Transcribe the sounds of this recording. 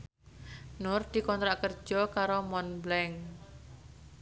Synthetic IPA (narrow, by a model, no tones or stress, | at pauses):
nʊrd̪̥i̤kɔnt̪ɾakərd̥ʒ̥ɔkaɾomɔnblɛŋ